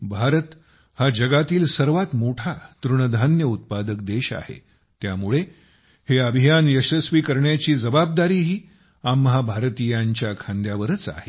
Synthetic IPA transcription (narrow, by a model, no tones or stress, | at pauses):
bʱaɾət̪ | had͡ʑəɡat̪iːlsəɾʋat̪moʈʰat̪ɾuɳəd̪ʱanjəut̪̚pad̪əkd̪eɕa̰hḛ | t̪jamuɭe | heəbʱijanjəɕəsʋiːkəɾɳjat͡ɕiːd͡zəbab̚d̪aɾiːɦiː | amːəɦabʱaɾt̪ijaɲt͡ɕjakʰãnd̪jaʋəɾət͡sa̰ɦe